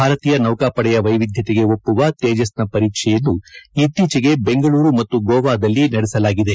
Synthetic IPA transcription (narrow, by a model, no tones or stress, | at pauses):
bʱaːɾɐt̪iːjɐnɐwkaːpɐɽɛjɐʋɐjʋid̪ʱjɐt̪eɡe̞o̞pːuʋɐt̪eːd͡ʒɐsnɐpɐɾiːkʂɛjɐnːuit̪ːiːt͡ʃiɡe̞be̞ŋɡɐɭuːɾumɐt̪ːuɡoːʋaːd̪ɐlːinɐɽɛsɐlaːɡid̪e̞